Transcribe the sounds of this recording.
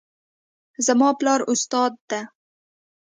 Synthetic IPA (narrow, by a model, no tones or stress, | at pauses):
zamɑːplɑːɾʊst̪ɑːd̪ːa